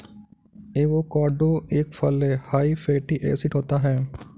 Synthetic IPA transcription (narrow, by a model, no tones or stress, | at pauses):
eːʋokaːɖoːeːkfʰɐlehaːifʰeːʈiʔɛ̰ːsɪʈɦoːt̪aɦɛː